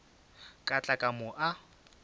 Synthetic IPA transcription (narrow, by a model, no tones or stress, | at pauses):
kʼat͡ɬʼakʼamʊʔa